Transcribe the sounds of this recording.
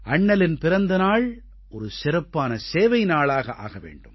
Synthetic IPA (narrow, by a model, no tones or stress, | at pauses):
ʔɐɳːɐlɪnpɪɾɐnd̪ɐnaːɭ | ʔɔɾɯsɪɾɐpːaːnɐseːʋɐɪnaːɭaːɣɐʔa̰ːɣɐʋḛːɳɖɯm